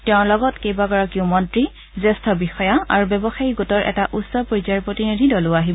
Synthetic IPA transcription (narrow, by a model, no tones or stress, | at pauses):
tɛʊ̃ɹlɔɡɔtkejbaɡɔɹakiʊ̃mɔntɹi | zɛstʰɔbixɔjaaɹubɛbɔxajiɡotɔɹʔɛ̰taʔutsɔpɔɹizaɹpɹotinidʱidɔlʊaɦib